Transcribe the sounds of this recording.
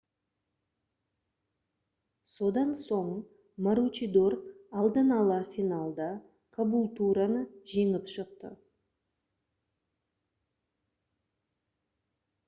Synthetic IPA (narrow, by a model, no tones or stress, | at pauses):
so̞d̪ɑnso̞ɴ | maɾut͡ʃid̪o̞rɑlˠd̪ənɑlˠəfijnalˠd̪ɑ | kʰabulˠt̪uɾɑnəʒe̞ŋɪpʃəq̚t̪ə̰